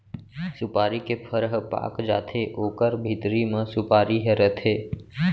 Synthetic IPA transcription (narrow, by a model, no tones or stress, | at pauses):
sʊpaːɾikepʰəɾɦpa̰ːkd͡ʒa̰ːt̪ʰeʔoːkəɾbʱit̪ɾimə̃sʊpaːɾiɦɛɾət̪ʰeː